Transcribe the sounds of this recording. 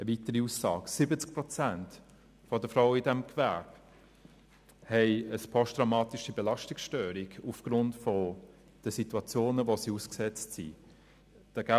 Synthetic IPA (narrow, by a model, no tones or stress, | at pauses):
əvitəɾiuːsːɑ̰ːɡsɪbət͡sk̚pʁɔt͡sænt | fɔdəfʁaʊidɛmkvɛb̥ | hɛɪəspʰɔʃtd̥ʁamɑːtiʃibelɑʃtiksʃtøːɾiɡufɡ̥ɾʊntfɔ | d̥əsituɑt͡sjoːnəʋosiuːsksɛt͡stsḭ | d̥əɡæ